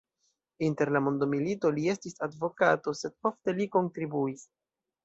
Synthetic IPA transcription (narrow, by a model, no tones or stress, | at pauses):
inte̞ɾlamondomilito̞lie̞stisadvo̞kato̞se̞d̚o̞fte̞liko̞ntɾibuis